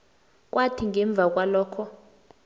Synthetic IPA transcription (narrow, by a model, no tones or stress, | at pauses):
k̬ʼwatʰiŋɛɱb̪vʱak̬ʼwalɔːkʰɔ